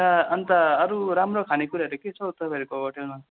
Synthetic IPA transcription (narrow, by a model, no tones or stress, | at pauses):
aʌnt̪aʌɾuɾamɾokʰanekuɾaʌɾuket͡sʰʌwt̪ʌbaɾekoʌʈena